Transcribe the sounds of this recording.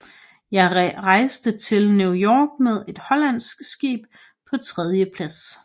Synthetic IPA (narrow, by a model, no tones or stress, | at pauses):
jɑ̈ɪʁɑ̈ɪsd̥ət͡sʰe̝lnjujɒːɡ̥með̞ˠe̝d̥hɒ̽læn̰sɡ̥sɡ̥ḭːb̥̚ | pʰɒ̽t͡sʰʁɛð̞ˠjəpʰlæs